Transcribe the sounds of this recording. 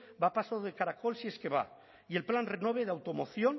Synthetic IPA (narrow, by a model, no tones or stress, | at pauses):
bapasaðekaɾakolsie̞skeβa̰ | ie̞lplanrenoβeð̞eawt̪omoθjon